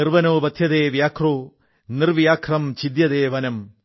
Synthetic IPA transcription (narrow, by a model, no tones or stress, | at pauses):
iɾʋɐnoːbɐt̪ʰjɐd̪eːʋjaːkʰɾoː | niɾʋjaːkʰɾɐmt͡ʃid̪jɐd̪eːʋɐnɐm